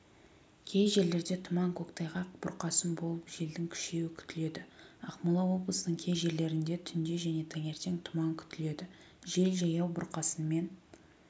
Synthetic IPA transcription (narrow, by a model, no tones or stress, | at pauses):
kʲʰe̞jʒe̞ɾle̞ɾd̪e̞t̪ʰʊmɑŋkʰokt̪ʰɑjʁɑq̚b̥ʊɾqɑsənbo̞lˠəpʒe̞ld̪ɪŋkʲʰʏ̥ʃe̞wɪkʲʰʏ̥t̪ɪle̞d̪ɪɑqmɑlˠɑwo̞blˠəsənəɴkʲʰe̞jʒe̞ɾle̞ɾɪnd̪e̞t̪ʰʏnd̪e̞ʒæne̞t̪ʰæŋe̞ɾt̪e̞ŋt̪ʰʊmɑŋkʲʰʏ̥t̪ɪle̞d̪ɪ | ʒe̞lʒɑjɑwbʊɾqɑsənme̞n